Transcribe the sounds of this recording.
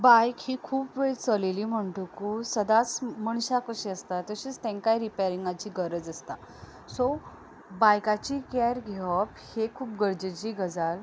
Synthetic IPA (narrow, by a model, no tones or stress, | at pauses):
bajkhikʰuːpʋet͡səlelim̤əɳʈukusəd̪at͡sməɳɕakəɕiəst̪at̪əɕiːt͡st̪ẽŋkajɾipeɾiŋɡat͡ɕiːɡəɾəd͡zəst̪a | so | bajkat͡ɕikɛɾɡʱeʋəphekʰuːp̚ɡəɾd͡ʑet͡ɕiːɡəd͡zal